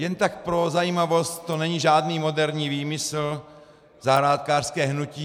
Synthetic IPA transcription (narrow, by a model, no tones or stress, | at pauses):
jɛnt̪ak̚pɾozajiːmavost̪t̪ːo̞nɛɲiʒaːdniːmo̞dɛɾɲiːviːmɪsl̩ | zaɦɾaːt̪̚kaːr̥skɛːɦnuciː